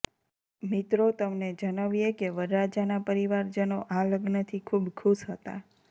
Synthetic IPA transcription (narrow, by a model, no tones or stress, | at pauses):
mit̪ɾot̪əmned͡ʒənaʋijekeʋəɾɾad͡ʒanapəɾiʋaɾd͡ʒənoʔaləɡnət̪ʰikʰubkʰuʃɦət̪a̰